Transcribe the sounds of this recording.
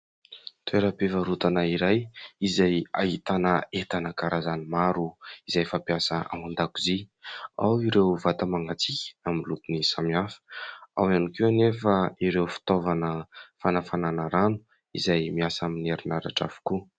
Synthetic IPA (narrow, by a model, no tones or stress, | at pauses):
t̪ʰueɾəpevəɾut̪anaiɾajizaja̰ɦit̪anəet̪anəkaɾazanimaɾuizajfapiasəa̰mand̪akuzia̰wiɾewvat̪amaŋɡat͡sikʲə̥amilukunisamiafə̥a̰wanikenefaiɾewfi̥t̪ovanəfanafananəɾanu̥ | izajmiasamineɾinaɾa̰ʈ͡ʂa̰vu̥ku